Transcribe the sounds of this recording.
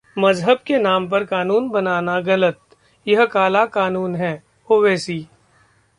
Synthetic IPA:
mɐzɦəb̚kenaːmp̬ɐɾkaːnuːnbɐnaːnaɣɐlət̪̚ | jɐɦkaːlakaːnuːnɦɛː | oːʋɛːsiː

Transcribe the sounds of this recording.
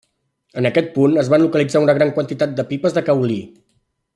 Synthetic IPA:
ənəkɛt̪̚punəzβanlukəlid͡zaunəɣɾaŋkwənt̪it̪at̪̚d̪əpipəzðəkəwli

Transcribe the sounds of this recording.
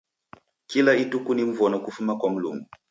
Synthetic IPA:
kilaitukunim̩vɔnɔkufumakwam̩lumɡu

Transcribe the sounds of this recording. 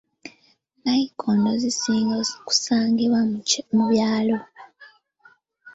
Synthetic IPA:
najikʰoːndozisiːŋɡku̥saːŋɡiβwamuβjaːlo̞

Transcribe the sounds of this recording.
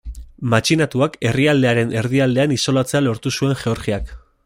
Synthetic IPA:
mat͡ʃinat̪uake̞riald̪e̞aɾe̞nʔe̞ɾðiald̪e̞aniso̞lat͡se̞alo̞ɾt̪usue̞ŋʝe̞o̞ɾɣiak

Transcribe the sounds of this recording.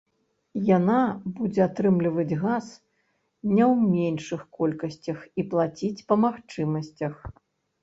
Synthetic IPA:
janabud͡zʲɛat̪ɾɨmlʲivɐd͡zʲɣas | nʲɛwmʲenʂɨxkɔlʲkɐsʲt͡sʲɐxiplˠat͡sʲit͡sʲpɐmaxt͡ʂɨmɐsʲt͡sʲɐx

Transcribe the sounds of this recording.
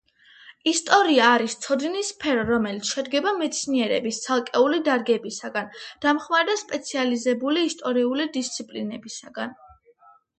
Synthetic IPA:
ist̪ʼɔɾiaːɾist̪sʰɔd̪nispʰɛɾɔɾɔmɛlit̪sʰʃɛd̪ɡɛbamɛt̪sʰniɛɾɛ̰bist̪sʰalˠkʼɛulid̪aɾɡɛbisaɡand̪̥amχmaɾɛd̪aspʼɛt̪sʰializɛbuliːst̪ʼɔɾiulid̪ist̪sʰipʼlinɛbisaɡan

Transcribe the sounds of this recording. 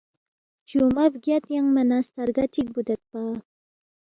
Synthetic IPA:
t͡ʃumabɡjat̪jaŋmanast̪aɾɡaʈ͡ʂʰik̚bud̪at̪̚pa

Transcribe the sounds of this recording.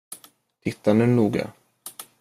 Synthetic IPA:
t̪ʰɪt̪ʰːanʉnuːɡa̰

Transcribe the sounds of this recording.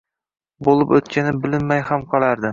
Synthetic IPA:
bolˠɪpɵt̪̚kʲanɪbɪlɪnmajhamqʰɒlˠaɾd̪ɪ

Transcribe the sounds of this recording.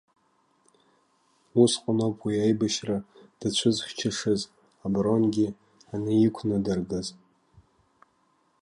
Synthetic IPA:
usqʷʼanopʰwiajbaʃrad̥at͡ɕʷʰʊzχʲt͡ʃʰaʂɨz | abro̞nɡʲɪ | anɨikʷʰnɨdɨrɡaz

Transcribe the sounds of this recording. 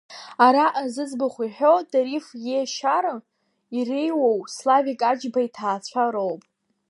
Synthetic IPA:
aɾaʔazɨd͡zbaχʷiħo̞daɾifjeʃaɾɨ | irejwowslavikʼad͡ʒbaitʰaːt͡ɕʷʰaɾowpʼ

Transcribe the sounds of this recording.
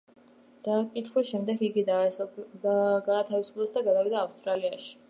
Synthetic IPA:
d̪̥akʼit̪ʰχwiʃɛmd̪ɛɡiɡid̪a | ɡaːt̪ʰavisu̥pʰlɔsʰd̪aɡad̪avid̪aːfst̪ʼɾaliaʃi̥

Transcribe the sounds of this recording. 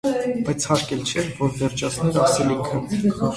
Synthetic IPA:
bɑjt͡sʰhɑɾkɛlt͡ʃʰɛvɔɾd̪əɾt͡ʃɑt͡sʰnɛɾɑsɛlikʰə

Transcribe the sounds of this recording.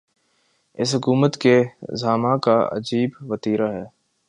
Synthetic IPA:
ɪsɦʊkuːmət̪kezaːmãkaɐ̰d͡ʒiːbʋɐt̪iːɾaɦɛː

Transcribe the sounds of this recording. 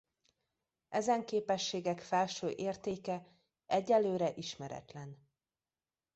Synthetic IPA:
ɛzɛŋkeːpɛʃːeːɡɛkfɛlʃøːʔeːrt̪eːkɛ | ʔɛɟːɛlːøːɾɛʔiʃmɛɾɛ̰t̪lɛn

